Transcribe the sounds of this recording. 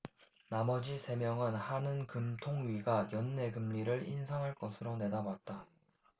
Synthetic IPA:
namʌd͡ʑisʰe̞mjʌŋɯnhanɯnkɯmtʰoŋɥiɡajʌnːe̞ɡɯmʎiɾɯɭinsʰaŋɦaɭk͈ʌsʰɯɾone̞dabat̚t͈a

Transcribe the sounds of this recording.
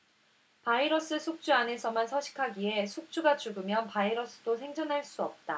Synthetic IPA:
paiɾʌs͈ɯsʰuk̚t͡ɕ͈uane̞sʰʌmansʰʌɕʰi̥kʰaɡie̞sʰuk̚t͡ɕ͈uɡat͡ɕuɡɯmjʌnpaiɾʌs͈ɯ̥dosʰe̞ŋd͡ʑʌnɦaɭs͈uʌp̚t͈a

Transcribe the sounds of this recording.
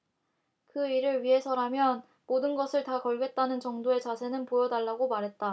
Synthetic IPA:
kɯiɾɯɭɥiɦe̞sʰʌɾamjʌn | modɯnɡʌsʰɯɭtakʌɭɡe̞t̚t͈anɯnt͡ɕʌŋdoe̞t͡ɕasʰe̞nɯnpojʌdaɭːaɡomaɾɦe̞t̚t͈a

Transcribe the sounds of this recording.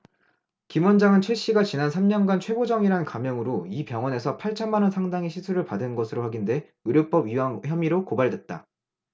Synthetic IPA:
kimwʌnd͡ʑaŋɯnt͡ɕʰweɕ͈iɡat͡ɕinansʰamɲʌnɡant͡ɕʰwe̞ɡod͡ʑʌŋiɾankamjʌŋɯɾoipjʌŋwʌne̞sʰʌpʰaɭt͡ɕʰʌnmanʌnsʰaŋdaŋiɕʰisʰuɾɯɭpadɯnɡʌsʰɯɾoɸwaɡinde̞ | ɯɾjop͈ʌbɥiwaŋçjʌmiɾokobaɭdwe̞t̚t͈a̰

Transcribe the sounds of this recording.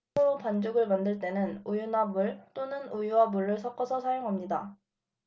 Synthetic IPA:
ɯɾopand͡ʑoɡɯɭmandɯɭt͈e̞nɯnujunabuɭt͈onɯnujuwabuɭːɯɭsʰʌk͈ʰʌsʰʌsʰajoŋɦamɲida

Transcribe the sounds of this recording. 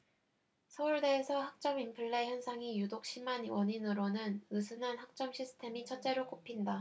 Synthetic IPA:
sʰʌuɭde̞ːsʰʌhak̚t͡ɕ͈ʌmimpʰɯɭːe̞çjʌnsʰaŋijudok̚ɕ͈ʰimanwʌɲinɯɾonɯnɯsʰɯnanɦak̚t͡ɕ͈ʌmɕʰisʰɯ̥tʰe̞mit͡ɕʰʌt͡ɕ͈e̞ɾok͈opʰinda

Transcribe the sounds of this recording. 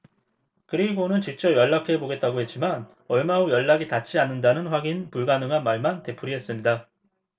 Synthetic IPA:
kɯɾiɡonɯnt͡ɕik̚t͡ɕ͈ʌpjʌɭːakʰe̞boɡe̞t̚t͈aɡohet̚t͡ɕ͈iman | ʌɭmaojʌɭːaɡitat͡ɕʰianːɯndanɯnɸwaɡinpuɭɡanɯŋɦanmaɭmante̞pʰuɾiɦe̞s͈ɯmɲida

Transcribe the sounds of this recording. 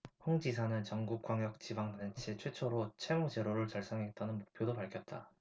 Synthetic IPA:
ɸoŋd͡ʑisʰanɯnt͡ɕʌŋɡuk͈̚waŋjʌk̚t͡ɕibaŋdant͡ɕʰet͡ɕʰwe̞t͡ɕʰoɾot͡ɕʰemud͡ʑeɾoɾɯɭt͡ɕʌɭs͈ʌŋɦet̚t͈ʌnɯnmok̚pʰjodopaɭkʰjʌt̚t͈a̰

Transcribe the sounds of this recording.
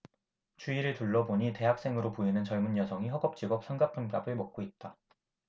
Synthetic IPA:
t͡ɕʰuiɾɯɭtuɭːʌboɲite̞ɦak̚s͈e̞ŋɯɾopoinɯnt͡ɕʌɭmunjʌsʰʌŋiɦʌɡʌp̚t͡ɕ͈iɡʌp̚s͈ʰʌnɡapʰɯnk͈abɯɭmʌk̚k͈oit̚t͈a

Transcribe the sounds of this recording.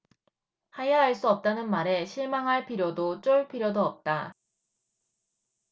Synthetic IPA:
hajaɦaɭs͈uʌp̚t͈anɯnmaɾe̞ɕʰiɭmaŋɦaɭpʰiɾjodot͡ɕ͈oɭpʰiɾjodoʌp̚t͈a

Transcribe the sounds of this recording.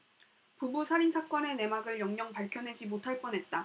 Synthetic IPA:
pubusʰaɾinsʰak͈wʌne̞ne̞maɡɯɭjʌŋɲʌŋpaɭkʰjʌnɦe̞d͡ʑimotʰaɭp͈ʌnɦe̞t̚t͈a

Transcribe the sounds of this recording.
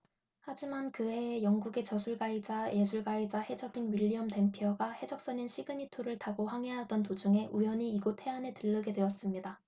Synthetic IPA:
had͡ʑimankɯɦe̞jʌŋɡuɡe̞t͡ɕʌsʰuɭɡaid͡ʑae̞sʰuɭɡaid͡ʑahe̞d͡ʑʌɡinɥiʎːiʌmte̞mpʰjʌɡahe̞d͡ʑʌk̚s͈ʌninɕʰiɡɯɲitʰoɾɯɭtaɡoɸwaŋeɦadʌntod͡ʑuŋe̞ʔujʌɲiːɡotʰe̞ane̞tɯɭːɯɡe̞dwe̞ʌs͈ɯmɲida

